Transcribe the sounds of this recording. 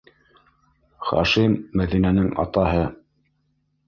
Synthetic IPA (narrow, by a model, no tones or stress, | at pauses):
χɑ̰ʃimːæðinænɘŋɑ̰t̪ɑɦɤ